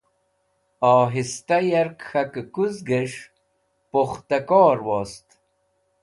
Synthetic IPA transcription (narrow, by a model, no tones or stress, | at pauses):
ɑːɦist̪ɐjɐɾkxɐkkuzɡeʂ | poχt̪ɐkoːɾwoːst̪